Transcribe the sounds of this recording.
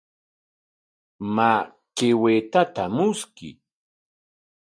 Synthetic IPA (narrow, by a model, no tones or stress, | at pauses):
ma | kewet̪at̪amʊskɪ̰